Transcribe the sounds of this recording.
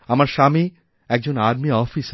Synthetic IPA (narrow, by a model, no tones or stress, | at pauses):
ɐmaɾʃaːmi | ɛːk̚d͡ʑoːnaːd̪miɔːfis